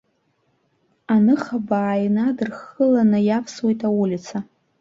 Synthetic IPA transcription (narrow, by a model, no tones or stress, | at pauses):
anɨχabaːjnadɨrχəlanɨjapʰswejtʰʼawulʲit͡sʰa